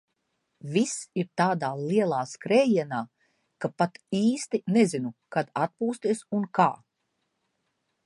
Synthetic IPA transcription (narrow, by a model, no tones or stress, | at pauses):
visiɾt̪aːd̪aːliɛlˠaːskɾɛːjiɛnaː | kapat̪iːst̪inezinukad̪at̪̚puːst̪iɛsunkaː